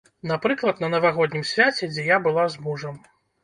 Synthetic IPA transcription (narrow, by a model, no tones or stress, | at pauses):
napɾɨklˠɐt̪nɐnɐvaɣɔd̪ʲnʲimsʲvʲat͡sʲɛd͡zʲɛjabɨlˠazmuʐɐm